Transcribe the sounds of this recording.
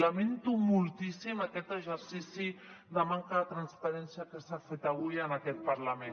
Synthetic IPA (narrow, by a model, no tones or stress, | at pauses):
lament̪umulˠt̪isimakɛt̪əʒəɾsisi | dəmaŋkat̪ɾanspaɾɛnsiakəsafet̪aɣujənakɛt̪̚paɾlame